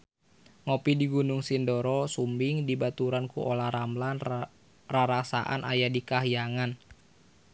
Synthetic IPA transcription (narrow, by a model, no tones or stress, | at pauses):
ŋopidiɡunuŋsindɔɾɔsumbɪŋdibat̪uɾankuʔolahɾamlan | raɾasa̰ʔa̰nʔa̰jadikaɦjaŋan